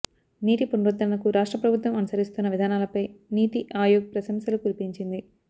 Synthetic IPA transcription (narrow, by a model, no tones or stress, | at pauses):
niːʈ̪ipunɾud̪ːɐnɐkuɾaːʂʈɾɐpɾɐbʱut̪ʋɐmɐnusɐɾist̪unːɐʋid̪ʱaːnaːlɐpɐjniːt̪iʔaːjoːɡɐpɾɐsɐmsɐlukulipiɲt͡ʃind̪i